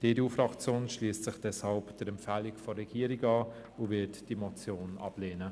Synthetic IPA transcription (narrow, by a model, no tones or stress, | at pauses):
d̥eːdufɾɑkt͡sjoːnʃliːstt͡sɪχd̥ɛshɑlpd̥əɾɛmpfæːlikfɔrɾɛɡiːəɾiɡɑː | ovɪtd̥imot͡sjoːnɑ̰b̥leːnə